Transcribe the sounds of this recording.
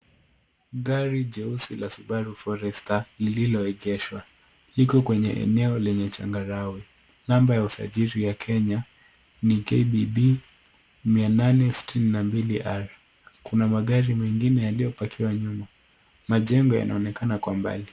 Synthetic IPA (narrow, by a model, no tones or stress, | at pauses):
ɠaɾiʄɛusilasuɓaɾufɔɾɛstalililɔɛɠɛʃwa | likɔkwɛɲɛ̰ʔɛ̰nɛɔlɛɲɛt͡ʃa̰ŋɡaɾawi | nambajausa̰ʄiɾijakʰɛɲa | nikɛbibi | miananɛsi̥tʰininambiliʔaɾ | kunamaɠaɾimɛŋɡinɛjalijɔpakʰiwaɲuma | maʄɛŋɡɔja̰nʔa̰ɔnɛkanakwamba̰li